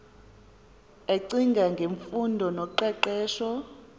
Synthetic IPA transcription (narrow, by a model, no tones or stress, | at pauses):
eǀiŋɡʱaŋɡʱeɱfundʱɔnɔǃɛǃɛːʃɔ